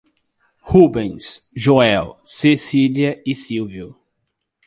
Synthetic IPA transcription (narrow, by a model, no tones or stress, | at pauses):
hubẽj̃sʒoɛwsesiliɐɪsiwviʊ